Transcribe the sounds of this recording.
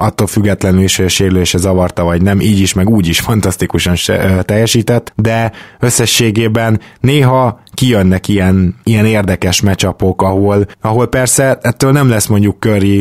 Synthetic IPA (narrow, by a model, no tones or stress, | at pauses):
ɒt̪ːolfyɡːɛt̪lɛnyliʃhʃeːɾløːʃɛzɒvɒrt̪ɒvɒɟnɛmʔiːɟiʃmɛɡuːɟiʃfɒnt̪ɒst̪ikuʃɒnʃɛ̰t̪ɛjːɛʃiːt̪ɛt̪ːd̪ɛø̞sːɛʃːeːɡeːbɛnːeːɦɒ | kijønːɛkijɛnijɛneːrd̪ɛkɛʃmɛt͡ʃɒpo̞kɒɦolɒɦo̞lpɛrsɛɛt̪ːøːlnɛmlɛsmo̞ɲɟukːøri